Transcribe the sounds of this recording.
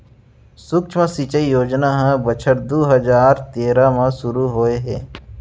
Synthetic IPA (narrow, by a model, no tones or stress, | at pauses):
sʊkt͡ʃʰmə̃sit͡ʃəijoːd͡ʒnaɦɛ̃bɐt͡ʃʰəɾd̪oːɦɐd͡ʒaːɾt̪eːɾamãsʊɾuɦoːeɦɛ̰ː